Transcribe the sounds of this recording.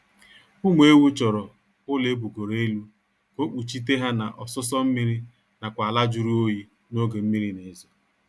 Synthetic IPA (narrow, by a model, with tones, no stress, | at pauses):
ʊ˦mʷ˦e˦wu˦t͡ʃɔ˨ɾɔ˨ | ʊ˦le˦bu˨ɡo˨ɾe˨˦e˦lu˦ | ko˦k͡pu˨t͡ʃi˦t̬e˦ɦa˦na˨ʔɔ˨sʊ˦s̬ɔ˦m̩˦mi˦ɾi˦ | na˨kʷa˨la˦d͡ʒʊ˦ɾi˦o˦ji˦ | no˦ɡe˨m̩˦mi˦ɾi˦ne˨˦zɔ˨